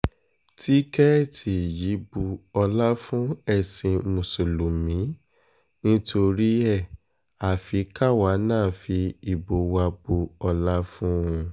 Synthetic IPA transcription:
tʰi˦kɛ˦˨tʰi˨ji˨˦bu˧ɔ˧la˦fũ˦ɛ˦˨sĩ˧mũ˨so˨lu˨mĩ˨˦ | nĩ˦tʰo˧ɾi˦ɛ˦˨ | a˨fi˨˦ka˦˨wa˨˦nãː˦˨fi˧i˨bo˨˦wa˧bu˧ɔ˧la˦fũ˦ũ˧

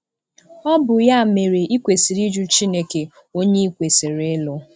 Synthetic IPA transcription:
ɔ˦bʊ˨ja˦˨me˨ɾe˨i˦kʷe˨si˨ɾi˦d͡ʒu˦t͡ʃi˦ne˦ke˨ | o˦ɲe˦i˦kʷe˨se˨ɾe˨˦lʊ˦

